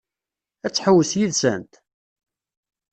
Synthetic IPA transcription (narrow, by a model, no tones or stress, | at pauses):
æt͡sːħəwːəsjiðsə̰nt̪